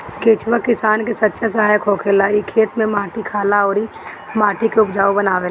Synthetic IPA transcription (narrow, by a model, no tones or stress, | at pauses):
keːt͡ʃwakɪsaːnkesɐt̪ːʃʰas̬ɐɦaːjəkʰɦoːkʰeːlaːikʰeːʈ̪mẽmaːʈʰikʰaːlaɔːɾi | maːʈʰikeʊpd͡ʒaːobɐnaːʋeː